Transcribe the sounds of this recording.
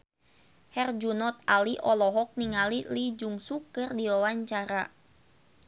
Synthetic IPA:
hɛrd͡ʒunɔt̪̚aliʔɔlɔɦɔk̚niŋalilid͡ʒuŋsukɨrdiwawaɲt͡ʃaɾa

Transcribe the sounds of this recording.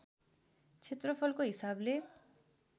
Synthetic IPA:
t͡sʰet̪rʌpʰʌlkoɦisable

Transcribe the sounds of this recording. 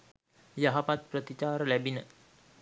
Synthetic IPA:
jaɦapat̪̚pɾət̪it͡ʃaːɾlæbinə

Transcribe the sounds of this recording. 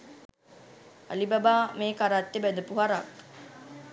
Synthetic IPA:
a̰libabaːmeːkaɾat̪ːebæd̪əpuɦaɾak

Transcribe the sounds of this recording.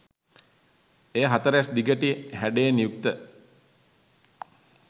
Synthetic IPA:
eːɦat̪əɾəasd̪iɡəʈihæɖeːnijuk̚t̪ə

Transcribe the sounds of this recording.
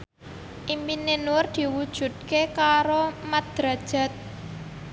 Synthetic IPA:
ʔimpinenʊrd̪̥i̤wud̥ʒ̥ṳt̪̚kekaɾomad̪̥ɾa̤d̥ʒ̥a̤t̪̚

